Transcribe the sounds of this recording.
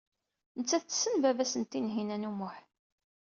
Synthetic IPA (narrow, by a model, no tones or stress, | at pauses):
nət͡sːæθt͡sːə̥sːənvævæsənt̪ːinɦinænumʊħ